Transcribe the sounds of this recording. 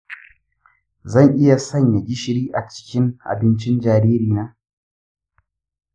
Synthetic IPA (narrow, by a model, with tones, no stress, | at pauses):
zɐ˦˨ŋʔɪ˦ja˨sɐ˦˨ɲja˨ɡʲɪ˦ʃɪ˦ɽiː˦ʔa˨t͡ʃɪ̥˦kʲɪ˦ŋʔa̰˨bɪ˦nt͡ʃɪ˦nd͡ʒaː˨ɾiː˦ɾiː˨naː˦